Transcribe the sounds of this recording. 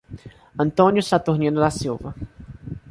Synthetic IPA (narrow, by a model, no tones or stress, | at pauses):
ɐ̃nt̪õnjʊsat̪uɾnĩnʊd̪asiwvɐ